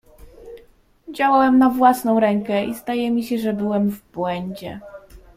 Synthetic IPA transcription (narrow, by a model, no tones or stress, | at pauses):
d͡ʑawawɛmnavwasnɔ̃w̃ɾɛŋkɛʔizd̪ajɛmʲiɕɛʐɛbɘwɛmvbwɛɲd͡ʑɛ̰